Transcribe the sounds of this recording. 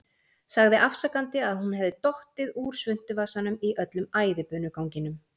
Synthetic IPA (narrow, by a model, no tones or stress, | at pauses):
saɣðɪʔafsakant̪ɪaðhunɦɛvðɪt̪ɔht̪ɪðuɾ̥svʏn̥t̪ʏvasanʏmiʔœt̪lʏmaːjðɪpœːnʏkawɲcɪnʏm